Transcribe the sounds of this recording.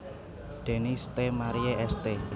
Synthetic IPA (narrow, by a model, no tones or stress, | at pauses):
ɖ̪̥e̤nist̪emaɾieʔɛst̪e